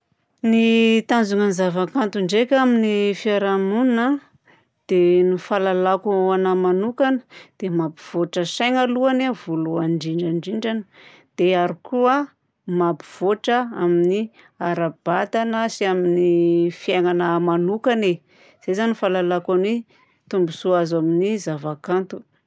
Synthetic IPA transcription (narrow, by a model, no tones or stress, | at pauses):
nit̪and͡zuŋənizavakant̪uɳɖ͡ʐekʲaminifiaɾamunna | d̪̥enufalalakanamanukanə̥d̪̥emabiv̥oʈ͡ʂəsajŋaluanevoluaɳɖ͡ʐiɳɖ͡ʐaɳɖ͡ʐiɳɖ͡ʐanə̥ | d̪̥eaɾikʰua | mapiv̥oʈ͡ʂəamini | aɾab̥at̪anəsiaminifjaŋanəmanukane | z̥ezanifalalakanwe | t̪umbusuazaminizavakant̪u̥